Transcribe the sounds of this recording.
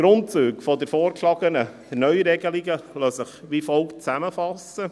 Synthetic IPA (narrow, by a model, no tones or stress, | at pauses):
ɡ̥ɾʊntt͡suːkfɔdəɾfoːɾkʰlɑɡənə | nœʏɾɛɡəliɡəlɔsəχʋifɔlkt͡sæməfɑsə